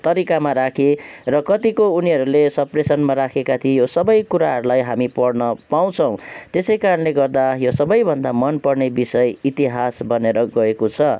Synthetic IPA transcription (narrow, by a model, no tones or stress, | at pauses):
t̪ʌɾikamaɾakʰerʌkʌt̪ikouniɦʌɾulesʌpresʌnmaɾakʰekat̪ʰiejosʌbʌjkuɾaɦʌɾulajɦamipʌɽnʌpaw̃t͡sʰʌ̃w̃t̪esʌjkaɾʌnleɡʌrd̪ajosʌbʌjbʱʌnd̪amʌnpʌrnebisʌjit̪iɦasbʌneɾʌɡʌekot͡sʰʌ